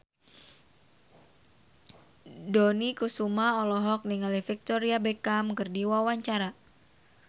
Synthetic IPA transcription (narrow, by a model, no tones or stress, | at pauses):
donikusumaɔlɔɦɔk̚niŋalifik̚t̪ɔɾiabekamkɨrdiwawaɲt͡ʃaɾa